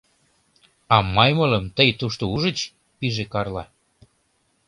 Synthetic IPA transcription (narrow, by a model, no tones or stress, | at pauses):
ɑmɑjmɤlə̆mt̪əjt̪uʃt̪ouʒə̆t͡ɕ | piʒekɑrlɑ